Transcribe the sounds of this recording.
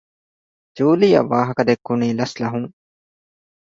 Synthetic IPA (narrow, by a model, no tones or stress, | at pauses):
t͡ʃuːlija̰ʋaːɦkɐd̪eːkːʊɳiːlɐslaɦũː